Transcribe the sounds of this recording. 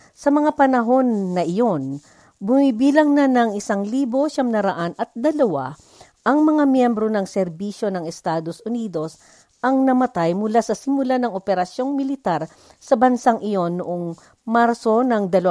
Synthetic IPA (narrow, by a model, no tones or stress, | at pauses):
sɐmɐŋapɐnɐɦo̞nːɐʔɪjo̞n | bʊmibiːlɐŋnanɐŋɪsaŋliːbo̞ʃɐmnɐɾɐʔanɐt̪̚d̪ɐlɐwa | ʔɐŋmɐŋamjɛmbɾo̞nɐŋsɛɾbiʃjo̞nɐŋɛst̪aːd̪o̞sʔʊniːd̪o̞s | ʔɐŋnɐmɐt̪ajmʊlasɐsɪmʊlanɐŋʔopɛɾɐsjo̞ŋmɪlɪt̪aɾ | sɐbɐnsaŋʔɪjo̞nːʊʔoŋ | maɾso̞nɐŋd̪ɐl